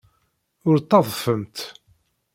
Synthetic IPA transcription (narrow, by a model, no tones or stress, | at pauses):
ʊɾt̪ːɑðˤfəmt̪